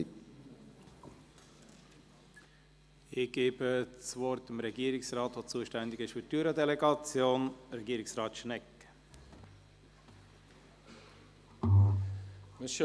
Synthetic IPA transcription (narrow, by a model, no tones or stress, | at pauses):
ɪçɡ̥eːbəsvɔɾtɪmɾɛɡiːɾɪksrɑːtfot͡suːʃtɛnd̪ɪɡəʃytyːɾədɛleɡɑt͡sjoːnɾɛɡiːɾɪksrɑːt̪ʃnɛk | mɪʃ